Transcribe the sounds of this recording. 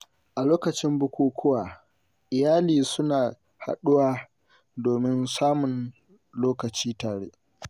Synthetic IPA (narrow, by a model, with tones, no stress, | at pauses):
ʔa˨loː˦kɐ˨t͡ʃɪ˦mbʊ˦kʷuː˦kʷʊ˦waː˨ | ʔɪ˨jaː˦liː˨sʊ˦naː˨ | ha̰˨ɗʊ˦waː˦ | doː˨mɪ˦nsaː˦mʊ˨n | loː˦kɐ˨t͡ʃiː˦taː˨ɽḛ˦ʔ